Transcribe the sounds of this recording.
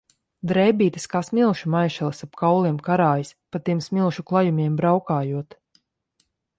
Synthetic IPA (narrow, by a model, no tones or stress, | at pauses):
d̪ɾɛjbʲiːt̪ɨskaːsmilˠʃumajʃalˠɐsapkʰawlˠiɛmkaɾaːjispat̪iɛmsmilˠʃuklˠajumʲiɛmbɾawkaːjuɔt̪